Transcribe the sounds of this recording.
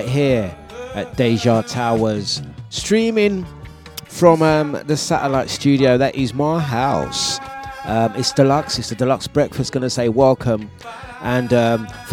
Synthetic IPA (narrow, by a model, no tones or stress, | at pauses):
ɪʔɦɪəɹ | əʔ̚d̥eɪʒɑːtʰaʊəz̥stɹ̥ĩːmɪ̃ŋ | fɹə̃mʌ̃mðəsa̰təlaɪtst͡ʃʉːɾiəʊðəʔʔɪzmaɪɦaʊsʔʌ̃mɪtsd̥əlʌksɪtsədəlʌksb̥ɹɛkfəstɡ̥ʌnəseɪwɛlˠkʰə̃m | ʔə̃nʌ̃mf